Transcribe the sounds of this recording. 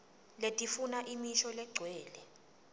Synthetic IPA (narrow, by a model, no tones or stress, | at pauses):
letʼifunaʔimiʃɔlɛɡ͡ǀʱwɛːlɛ